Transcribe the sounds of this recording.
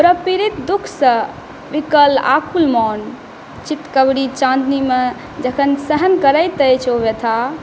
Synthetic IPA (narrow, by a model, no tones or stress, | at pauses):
pɾəpiɾit̪d̪ukʰsə̃ | ʋikəla̰kʰulmɔn | t͡ʃit̪kəbɽit͡ʃãnd̪nime | d͡ʒəkʰənsəɦənkəɾəjt̪əjt͡ʃʰoʋet̪ʰa